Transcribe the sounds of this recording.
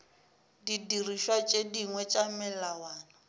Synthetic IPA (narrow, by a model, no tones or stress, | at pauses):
didiriʃwat͡ʃʼediŋwɛt͡ʃʼamɪllawaːna